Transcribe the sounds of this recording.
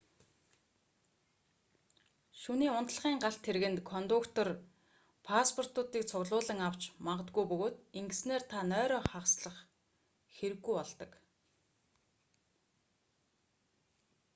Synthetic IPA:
ʃuniːʊnt̪ɮ̆ʁiːŋɢaɬt̪ʰːeɾɣɘ̆nt̪kʰɔnt̪ʊkt̪ɔr | pʰaspʰɔr̥t̪ʊːt̪iːk̚t͡sʰʊɣɮʊːɮə̆ŋaw̥t͡ɕmaɴɢə̆t̪̚ɡujpɵɣoːt̪iŋɡɘ̆sneːrt̪ʰanœːɾɔːχawsɮə̆χ | xeɾɘ̆ɣːujɔɮt̪ɞ̆k

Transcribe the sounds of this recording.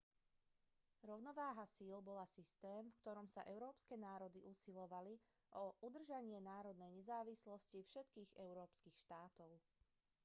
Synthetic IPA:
ɾɔʊnɔʋaːɦasiːlbɔlasist̪ɛːmfkt̪ɔɾɔmsa̰ʔɛʊɾɔːpskɛnaːɾɔd̪iʔusilɔʋali | ʔɔʔud̪r̩ʒaɲɪɛnaːɾɔd̪nɛjɲɛzaːʋislɔscifʃɛt̪kiːɣɛʊɾɔːpskixʃt̪aːt̪ɔʊ

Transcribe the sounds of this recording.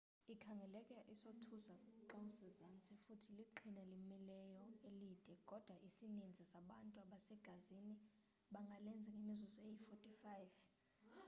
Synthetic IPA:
ikʰaŋɡʱɛlɛkʼɛʔisotʰuzaǃawusɛzant͡sʰʼɛfutʰiliǃʰinɛlimilɛjɔelid̥ʱɛkʼɔd̥ʱwaʔisinend͡zʱisaɓantʼuaɓasɛɡ̥ʱazini | ɓaŋɡʱalɛnd͡zʱaŋemizɔzejifotʼifajv

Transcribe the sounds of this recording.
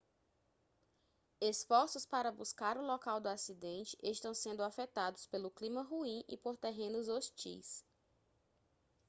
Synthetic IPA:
esfɔɾsʊspaɾɐbuskaɾʊlɔkawd̪ʊasid̪ẽnt͡ʃɪ̥ʔeʃt̪ɐ̃w̃sẽnd̪ʊafɛt̪ad̪ʊspelʊklĩmɐɦuĩʔḭpoɾt̪eɦẽnʊzoʃt͡ʃḭjs

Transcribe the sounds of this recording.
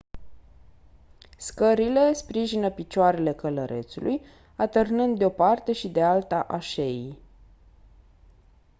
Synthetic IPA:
skəɾile̞spɾiʒinəpit͡ʃoaɾe̞le̞kələɾʔe̞̰t̪sulʔuj | at̪ərnɨnd̪d̪eo̞part̪e̞ʃid̪e̞alt̪aʔaʃei

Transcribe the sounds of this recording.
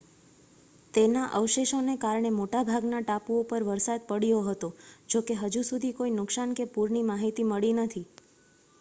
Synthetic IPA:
t̪enaʔəʋʃeʃonekaɾɳ̃emoʈabʱaɡnaʈapuopəɾʋəɾsad̪̚pəɽijoɦət̪od͡ʒokeɦəd͡ʒusud̪ʱikoinʊksankepuɾɳimaɦit̪iməɭinət̪ʰi

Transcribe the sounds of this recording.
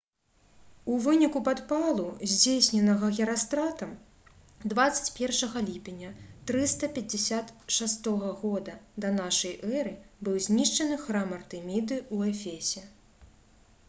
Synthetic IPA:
uvɨnʲikupat̪palˠuzʲd͡zʲesʲnʲɛnɐɣɐɣʲɛɾast̪ɾat̪ɐm | d̪vat̪sɐ̥t͡sʲpʲɛrʂɐɣɐlʲipʲenʲːɐt̪ɾɨst̪ɐpʲɐd͡zʲɪsʲat̪ʂast̪ɔɣɐɣɔd̪ɐd̪ɐnaʂɐjʔɛɾɨbɨwzʲnʲiʂt͡ʂɐnɨxɾamɐrt̪ɨmʲid̪ɨuɛfʲesʲɛ

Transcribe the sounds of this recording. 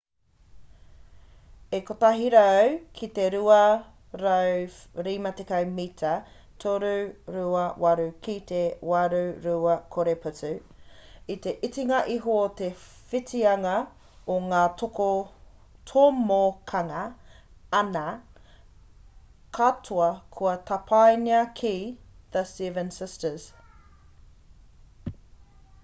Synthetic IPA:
ekot̪aɦiɾɐawkʰit̪e̞ɾuɐ | ɾɐwɾimɐt̪ekɐwmitʰɐ | tʰoɾuɾuɐwaɾukit̪ewaɾuɾuɐkʰoɾepʰut͡sʉ | it̪e̞ʔit͡siŋɐʔiɦoot̪e̞fitiɐŋɐ | oŋaːtoko | tʰomokʰɐŋɐ | ɐnɐ | kʰatʰuɐkʰuɐtɐpʰajniɐkʰiðəstivənsɪstəz̥

